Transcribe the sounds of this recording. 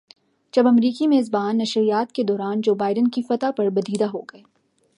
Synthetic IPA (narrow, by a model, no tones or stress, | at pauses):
d͡ʒɐbɐmɾiːkimeːzbaːnːɐʃɾijaːt̪ked̪ɔːɾaːnd͡ʒoːbaːɪɖənkifɐt̪apɐɾbɐd̪iːd̪aɦoːɡɐeː